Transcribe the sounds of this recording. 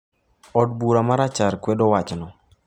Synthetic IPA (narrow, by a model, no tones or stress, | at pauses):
ɔd̚buɾamaɾat͡ʃaɾkwɛdɔwat͡ʃnɔ